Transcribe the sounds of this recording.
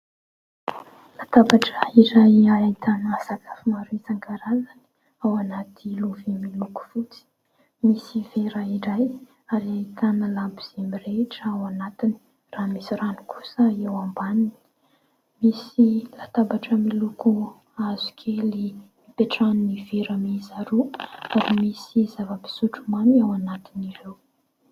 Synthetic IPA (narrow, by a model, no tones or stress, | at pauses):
lat̪abaʈ͡ʂəiɾajaat̪ʰanasakʰḁfimaɾuizaŋɡaɾazani̥ | awanat̪ʰiluvemiluku̥fut͡si̥ | misiveɾaiɾaj | aɾiat̪analambiz̥emireʈ͡ʂəawanat̪ini̥ | raːmisirani̥kʰu̥səewambanini | misilat̪abaʈ͡ʂəmiluku | azukʰelimipeʈ͡ʂanuniveɾamizaɾuaɾimisizavəpi̥suʈ͡ʂumaniawanat̪iniɾew